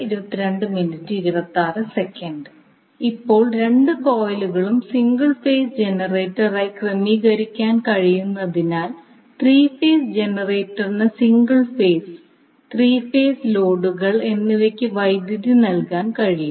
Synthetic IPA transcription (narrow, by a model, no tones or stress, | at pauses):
iɾubɐt̪ːiɾeɳɖɨminɨtːiɾirɐt̪ːaːrɨsekːɐɳɖɨ | ipːo̞ːɭɾe̞ɳɖɨko̞ːjluɣɐɭumsiŋɡɐɭfeːsd͡ʑe̞nɐreːtːɐraːjkrɐmiːɣɐɾikʲːaːnkɐɻijunːɐðinaːl | t̪riːfeːsd͡ʑe̞nɐreːtːɐrnɨsiŋɡɐɭfeːs | t̪riːfeːslo̞ːɖuɣɐɭe̞nːiʋekʲːɨʋɐjd̪jiðɨnɐlkaːnkɐɻiju